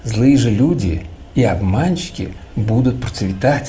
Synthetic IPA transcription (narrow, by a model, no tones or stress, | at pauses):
zlˠɨjəʐɨlʲudʲɪ̰ | iabmant͡ɕːɪ̥kʲɪ̰bud̪ʊt̪̚pɾət̪svʲɪt̪atʲ